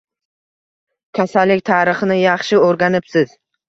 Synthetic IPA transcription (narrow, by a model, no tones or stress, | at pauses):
kʲʰasalːɪkʲt̪ʰaːɾɨχɨnɪjɑχʃɪoɾɡʲanɪpsɪz̥